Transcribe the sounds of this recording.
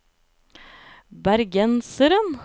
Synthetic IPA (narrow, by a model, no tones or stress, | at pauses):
bæɾɡɛnsəɾən